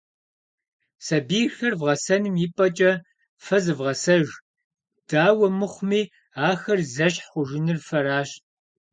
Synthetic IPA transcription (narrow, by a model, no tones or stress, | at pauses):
sɐbiːxɐrvʁɐsɐnɨmjɪpʼɐt͡ʃʼɐ | fɐzɨvʁɐsɐʒ | d̥aːwɐmɨχʷmiː | aːxɐrzɐɕħχʷʊʒɪnɨrfɐɾaːɕ